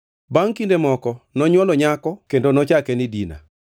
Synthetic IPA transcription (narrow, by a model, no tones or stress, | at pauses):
baŋkindemɔkɔnɔɲwɔlɔɲakɔkendonɔt͡ʃakɛnɪdina̰